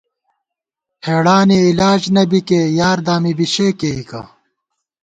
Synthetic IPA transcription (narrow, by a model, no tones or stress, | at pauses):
heːɽaːniilaːd͡ʑnɐbikejaːɾd̪aːmibiɕeːkeːikɐ̰